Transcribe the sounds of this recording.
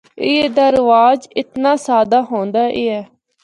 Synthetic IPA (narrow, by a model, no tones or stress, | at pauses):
ɪeːd̪aːɾəʋaːd͡ʒɪt̪naːsaːd̪aːɦõːnd̪aːʔeːɛː